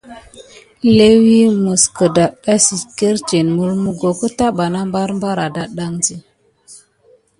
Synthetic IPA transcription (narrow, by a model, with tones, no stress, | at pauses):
le˦wi˦mə˨skə˨da˨a˦si˨ke˦ɾt͡ʃe˨nmu˦lmu˦ɡo˨kə˦ta˦ɓa˨na˦mba˦ɾmba˦ɾa˨da˨ɗa˦ŋzi˦